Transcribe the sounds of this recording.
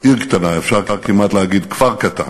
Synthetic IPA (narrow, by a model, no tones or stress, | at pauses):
iʁkt̪anaefʃaʁaʁkimat̪leaɡid̪kv̥aʁkat̪a̰n